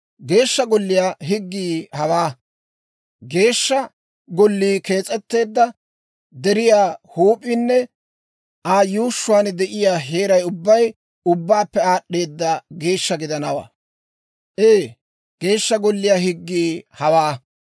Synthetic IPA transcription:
ɡe̞ːʃːɐɡɔlːɪjaːɦɪɡːiːhɐwaː | ɡe̞ːʃːɐ | ɡɔlːiːke̞ːt͡sʼɛt̪ːe̞ːd̪ːɐ | d̪ɛɾɪjaːhuːpʼinːɛ | ʔaːjuːʃːʊwaːnd̪ɛʔɪjaːɦeːɾɐjʊbːɐj | ʊbːaːpːɛaːɗe̞ːd̪ːɐɡe̞ːʃːɐɡɪd̪ɐnɐwa̰ː | ʔeː | ɡ̥e̞ːʃːɐɡɔlːɪjaːɦɪɡːiːhɐwaː

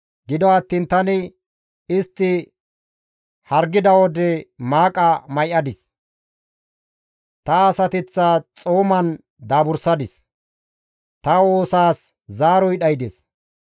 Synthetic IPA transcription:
ɡɪd̪ɔɐt̪ːiːnt̪ɐnɪ | ɪst̪ːɪ | hɐɾɡɪd̪ɐwɔd̪ɛmaːkʼɐmɐjʔɐd̪ɪs | t̪ɐːsɐt̪ɪt͡sːɐt͡sʼoːmɐn | d̪aːbʊɾsɐd̪ɪs | t̪ɐwo̞ːsaːs | zaːɾɔjɗɐjd̪ɪs

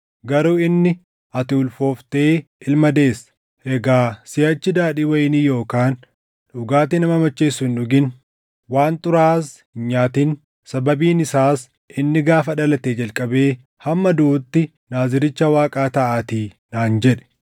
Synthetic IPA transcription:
ɡɐɾuːɪnːɪ | ɐt̪ɪʊlfo̞ːft̪e̞ːʔɪlmɐd̪e̞ːs | ʔɛɡaːsɪjɐt͡ʃːɪd̪aːɗiːwɐjɪniːjo̞ːkaːn | ᶑʊɡaːt̪ɪnɐmɐmɐt͡ʃːeːsːʊhɪnᶑʊɡɪn | waːnt̪ʼʊɾaːshɪɲaːt̪iːn | sɐbɐbiːnɪsaːs | ʔɪnːɪɡaːfɐᶑɐlɐt̪eːd͡ʒɐlkʼɐbe̞ː | hɐmːɐd̪uːt̪ːɪ | naːzɪɾɪt͡ʃːɐwaːkʼaːt̪ɐʔaːt̪iː | naːnd͡ʒɛᶑɛ̥

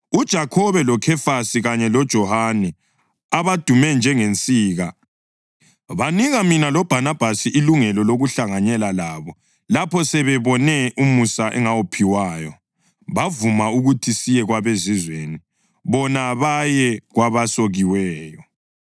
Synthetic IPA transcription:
ud̥ʒ̥ʱakʰɔβɛlɔkʰɛfasiɣaɲɛlɔd̥ʒ̥ʱɔhanɛ | aβad̥ʱumɛnd͡ʒʱɛŋent͡sʼiːɣa | βaniɣaminalɔb̥ʱanab̥ʱasiʔiluŋɛlɔloɣuɬaŋaɲɛlalaβɔ | lapʰɔsɛβɛβɔnɛʔumusaʔɛŋawopʰiwajɔ | βavumauɣutʰisijɛɣwaβezizweːni | βɔnaβajɛɣwaβasoɣiwɛːjɔ

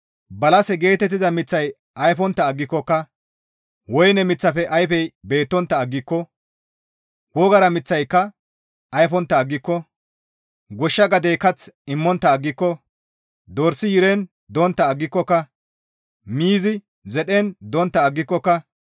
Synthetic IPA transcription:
bɐlɐsɛɡe̞ːt̪ɛt̪ːɪzɐmɪt͡sːɐj | ʔɐjfɔnt̪ːɐːɡːɪkːɔkːɐ | wɔjnɛmɪt͡sːɐfɛʔɐjfɛjbe̞ːt̪ːɔnt̪ːɐːɡːɪkːɔ | wɔɡɐɾɐmɪt͡sːɐjkːɐ | ʔɐjfɔnt̪ːɐːɡːɪkːɔ | ɡɔʃːɐɡɐd̪ejkɐt͡sɪmːɔnt̪ːɐːɡːɪkːɔ | d̪ɔɾsɪjɪɾɛn | d̪ɔnt̪ːɐːɡːɪkːɔkːɐ | miːzɪ | zɛɗɛnd̪ɔnt̪ːɐːɡːɪkːɔkːɐ

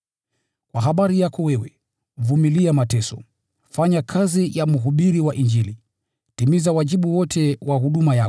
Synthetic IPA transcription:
kwaɦaɓaɾijakɔwɛwɛ | vumiliamatɛsɔ̰ | faɲakʰazijamuɦuɓiɾiwaʔind͡ʒili | timizawaʄiɓuwɔtʰɛwaɦuɗumaja

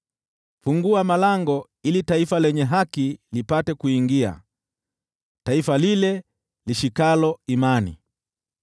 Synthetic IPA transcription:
fuŋɡuamalaŋɡɔ | ilitaifalɛɲɛɦakilipatɛkuiŋɡia̰ | taifalilɛ | liʃikalɔimanḭ

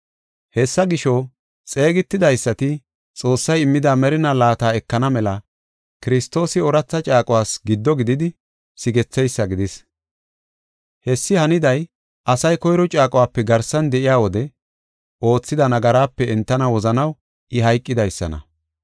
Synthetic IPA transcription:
hɛsːɐɡɪʃɔ | t͡sʼe̞ːɡɪt̪ːɪd̪ɐjsːɐt̪ɪ | t͡sʼo̞ːsːɐjɪmːɪd̪aːmɛɾɪnalaːt̪aːɛkːɐnɐmɛlɐ | kɪɾɪst̪ːo̞ːsɪɔɾɐt͡sːɐt͡ʃʼaːkʼʊwaːsɡɪd̪ːɔɡɪd̪ɪd̪ɪ | sɪɡɛt͡sːɛjsːɐɡɪd̪ɪs | hɛsːɪhɐnɪd̪ɐj | ʔɐsɐjkɔjɾɔt͡ʃʼaːkʼɔwaːpːɛɡɐɾsɐnd̪ɛʔɪjaːwɔd̪ɛ | ʔo̞ːt͡sːɪd̪ɐnɐɡɐɾaːpːɛɛnt̪ːɐnɐwɔzɐnɐw | ʔɪɦɐjkʼːɪd̪ɐjsːɐ̰nɐ̰

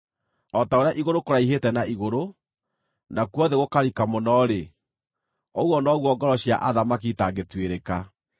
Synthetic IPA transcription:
ɔtaoɾejaʔiɣoɾokoɾaiɦetɛnaiɣoɾo | nakwɔðɛɣokaɾikamɔnɔɾe | ɔɣwɔnɔɣwɔɡɔɾɔɕja̰ʔaðamakitaɡetweɾeka

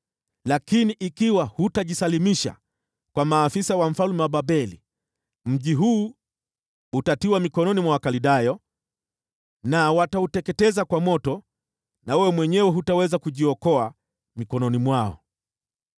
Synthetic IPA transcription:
lakiniʔikiwahutaʄisalimiʃa̰ | kwamaːfisawam̩falumɛwaɓabɛlḭ | m̩ʄiɦuː | utatiwamikɔnɔnimwawakaliɗajɔ | nawatautɛkɛtɛzakwamɔtɔ | nawɛwɛmwɛɲɛwɛɦutawɛzakuʄiɔkɔa | mikɔnɔnimwaɔ̰

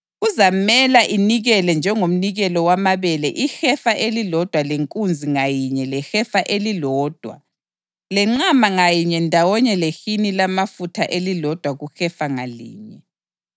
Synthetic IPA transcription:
ɣuzamɛlaʔiniɣɛlɛnd͡ʒʱɛŋom̩niɣɛlɔwamaβɛlɛʔixɛfaʔelilɔd̥ʱwaleŋkʼund͡zʱiŋajiɲɛlɛxɛfaʔelilɔːd̥ʱwa̰ | lɛŋ͡ǁamaŋajiɲɛndʱawɔɲɛlexinilamafutʰaʔelilɔd̥ʱwaɣuxɛfaŋalḭːɲɛ

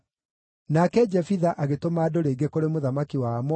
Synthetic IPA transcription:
nakɛd͡ʑɛfiðaʔaɣetomaːdoɾeɡekoɾemoðamakiwamɔ

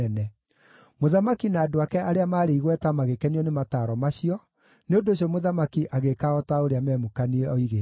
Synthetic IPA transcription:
ɛnɛ | moðamakinaːdoakɛʔaɾeamaːɾeiɣwɛtamaɣekɛniɔnemataːɾɔmaɕiɔ | neondoɕ̬iɔmoðamakiʔaɣekaɔtaoɾeamɛmokaniɛɔiɣe

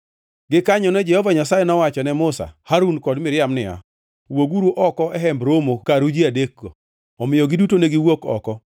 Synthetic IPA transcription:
ɡɪkaɲɔnɛd͡ʒɛhɔvaɲasajɛnɔwat͡ʃɔnɛmʊsa̰haɾunkɔdmɪɾjamnɪa̰ | woɡuɾuʔɔkɔʔɛɦɛmbɾomokaɾud͡ʒiadekːo | ɔmɪjɔɡɪdutoneɡɪwokɔ̰kɔ

